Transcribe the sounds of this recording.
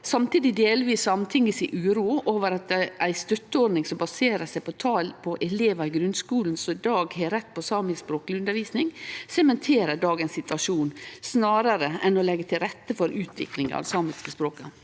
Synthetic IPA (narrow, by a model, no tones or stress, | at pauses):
sɑmt̪iːd̪ɪd̪eːlʋiːsɔɑmt̪ʰɪŋɪsɪʔʉːɾuːoːʋəɾɑt̪æɪst̪œt̪ːəɔɖnɪŋsɔmbɑseːɾəʂæɪpɔt̪ʰɑːlpʰɔʔɛleːʋɑɪɡɾʉnskuːln̩sɔɪd̪ɑːɡheːɾɛt̪ːpʰɔsɑːmɪspɾoːklɪʉnd̪əɾʋiːsnɪŋsɛmɛnt̪ʰeːɾəɖɑːɡənsːɪt̪ʋɑʂuːnsnɑːɾəɾəɛnɔlɛɡːət̪ʰɪlɾɛt̪ːəfɔɾʉːt̪ʰʋɪ̰klɪŋɑ̰ʋsɑːmɪskəspɾoːkɑ